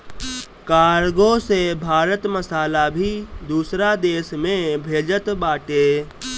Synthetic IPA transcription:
kaːɾɡõsebʱaːɾət̪məsaːlabʱid̪uːsɾad̪eːsmẽbʱeːd͡ʒət̪baːʈeː

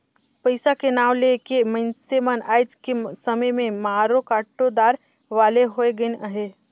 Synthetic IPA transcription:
pəɪsakenaːʋlekemə̃nsemənaːjd͡ʒkesəməjmẽmaːɾokaːʈːod̪aːɾ | ʋaːleɦoeɡəɪnəɦe

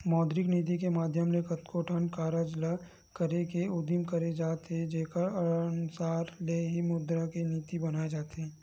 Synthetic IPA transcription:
mɔːd̪ɾɪkniːt̪̬ikemaːd̪ʱjəmlekɐt̪kʰoːʈʰənkaːɾəd͡ʒla | kəɾekeʊd̪imkɐɾed͡ʒaːt̪ed͡ʒeːkəɾɐɾnsaːɾleɦimʊd̪ɾakeniːt̪ibɐnaːed͡ʒaːt̪eː

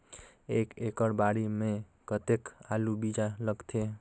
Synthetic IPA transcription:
ekekəɽbaɽimẽ | kət̪ekalubid͡ʒaləɡt̪ʰe

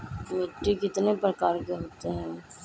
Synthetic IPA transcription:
kəmeːʈːikɪt̪nepɾəkaːɾɡəɦoːt̪eɦɛ̃ː

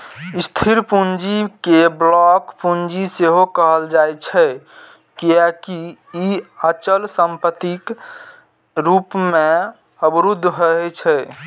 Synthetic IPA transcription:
ist̪ʰiɾpund͡ʒikeblɔkpund͡ʒiseɦokəɦəld͡ʒajt͡ʃʰɛ | kiakiː | ət͡ʃəlsəmpət̪ik | ɾupmẽ | əbɾud̪ʱːɦəɦɛt͡ʃʰɛ

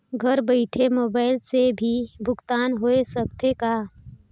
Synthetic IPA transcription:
ɡʱəɾbəɪʈʰemoːbaːɪlsebʱibʱʊkt̪aːnɦoesək̚t̪eka

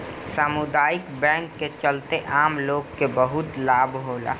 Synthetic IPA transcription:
saːmud̪aːɪkbɛ̃ːŋkːet͡ʃəlt̪eʔaːmloːɡkːebəɦʊt̪laːbɦoːla̰ː

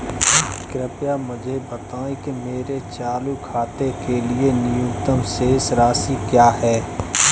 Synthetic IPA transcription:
kɾɪpjamʊd͡ʒʱebɐt̪aːẽkemeːɾet͡ʃaːlukʰaːt̪ekelienɪjʊkt̪əmseːsɾaːsikjaːɦɛː

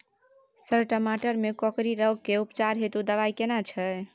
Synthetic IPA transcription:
səɾʈəmaʈəɾmekɔkɾiɾəɡ̚kːeupt͡ʃaɾɦet̪ud̪əʋajkenat͡ʃʰɛ

